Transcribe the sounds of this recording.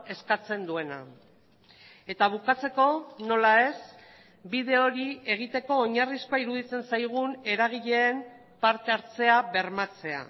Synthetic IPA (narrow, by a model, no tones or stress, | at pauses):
e̞skat͡se̞nd̪ue̞na̰ | e̞t̪aβ̞ukat͡se̞ko̞no̞lae̞s | biðe̞o̞ɾie̞ɣ̞it̪e̞ko̞ːɲariskoaiɾuð̞it͡se̞nsajɣ̞une̞ɾaɣ̞iʎe̞ːm | paɾt̪e̞aɾt͡se̞aβe̞ɾmat͡se̞a̰